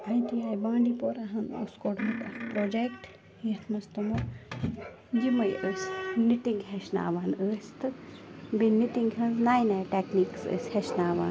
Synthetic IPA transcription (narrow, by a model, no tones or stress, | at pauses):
ɐjt̪ijaːjbãːɳɖipoɾaɦɐnṵskoʈmɐt̪ɐspɾoːd͡ʒekʈ | jɐt̪ʰmɐst̪omo | d͡ʒimɐjʔəːsʲnit̪iŋɡɦeʃna̰ːʋaːnəːst̪ɨbinːit̪iŋɡhɐnznaːjnaːʈekniːksə̰ːsʲheʃnaːʋa̰ːn